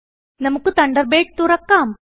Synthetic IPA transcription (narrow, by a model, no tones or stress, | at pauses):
nɐmukut̪ɐɳɖəɾbeːʈ̚t̪uɾɐkːam